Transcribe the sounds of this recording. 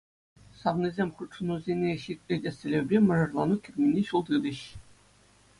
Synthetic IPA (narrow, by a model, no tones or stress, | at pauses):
sɑʋnizʲemʲχɯt̪ʂɤ̆nuzʲenʲeɕik̚ʲlʲedʲesʲɘ̆lʲebʲrʲemʲɤ̆rɤ̆rlˠɑnukʲĭrʲmʲinʲeɕulˠd̪ɯd̪ʲɘ̆ɕ